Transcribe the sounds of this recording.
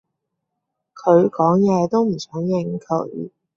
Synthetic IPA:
kʰɤ˧˥˧kɔ˨˧˥ŋjɛ˧t̪o˥m̩˨˩t͡sʰɑ˨˧˥ŋjɛ˥˧˩ŋ̩˧˥kʰɤ˨˩ḭ˧˥

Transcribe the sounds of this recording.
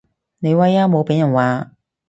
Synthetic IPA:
ne˨˧jwa˧˥jaː˥mo˨˧wpe˨˥jɐ˨˩nwaː˨˧

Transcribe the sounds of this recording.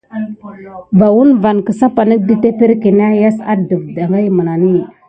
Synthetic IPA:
ba˨wu˦nva˨nkə˨sa˦pa˨nə˦di˦te˦pe˦ɾki˨n˦a˦ja˦sa̰˦də˨vda˨ŋɡa˦jmə˨na˨ni˦

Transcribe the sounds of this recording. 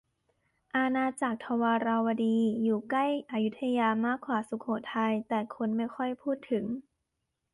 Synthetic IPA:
ʔa˧naː˧t͡ɕaː˨˩k̚t̪ʰa˧waː˧ɾa˧wa˧diː˧juː˨˩kla˥˩jʔa˧ju˦˥t̪ʰːa˧jaː˧maː˧˥˩kʰwaː˨˩˦su˨˦kʰoː˨˩˦t̪ʰa˧jt̪ɛː˨˩kʰo˧nma˥˩jkʰɔ˥˩jpʰuː˥˩t̪ʰːɯ˩˦ŋ

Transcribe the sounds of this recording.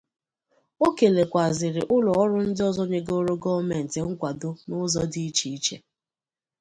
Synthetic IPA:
o˦ke˨le˨kʷa˨zɪ˨ɾɪ˨ʔʊ˦lɔ˨ɔ˦ɾʊ˦n̩˦dɪ˦ɔ˦zɔ˦ɲe˦ɡo˦ɾo˦ɡɔ˦me˨n̩˨te˨ŋ̩˦kʷa˨dʊ˦nʊ˦zɔ˦di˦i˦t͡ʃi˦i˦t͡ʃḛ˦

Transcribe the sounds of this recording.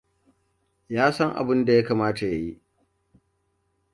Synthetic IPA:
jaː˦sɐ˦ŋʔa̰˨bɪ˦nda˨ja˦kaː˨maː˦ta˨ja˨ji˦ʔ

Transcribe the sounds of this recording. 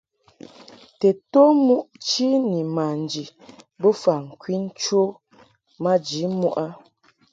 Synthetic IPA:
te˨to˦mu˦ʔt͡ʃi˦ni˨ma˨n̩˨d͡ʒi˨bo˦fa˨ŋ̩˨kwi˦n̩˦t͡ʃo˦ | ma˦d͡ʒi˨˦mu˦ʔa˦

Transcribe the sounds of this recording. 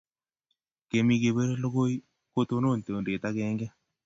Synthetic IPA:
ke˨mi˧ɡe˨be˦ɾe˦lo˦ɡo˦i˦ | ko˦t̪o˦no˦˨nt̪e˨o˨nde˨t̪a˦kɛ˦ŋɡɛ˦

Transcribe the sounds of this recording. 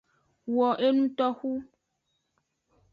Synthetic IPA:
wɔ˨ʔe˦nũ˦t̪ɔ˦xu˦

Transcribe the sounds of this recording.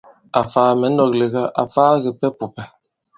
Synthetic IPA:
a˨faː˨mɛ˨˦n̩˦dɔ˨k̚le˨ɣa˦ʔa̰˨faː˦ɣe˨pɛ˦pu˨pɛ˨

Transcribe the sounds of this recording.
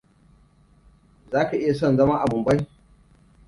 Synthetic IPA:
zaː˦ka˨ʔɪ˦ja˨s̬ɔ˦˨nzɐ˦mɐ˦ŋʔa˨bʊ˨mba˦j

